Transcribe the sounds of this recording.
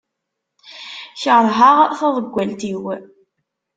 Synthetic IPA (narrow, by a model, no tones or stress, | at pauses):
çəʁɾˤɦaʁθæðˤəɡʷːælt̪iw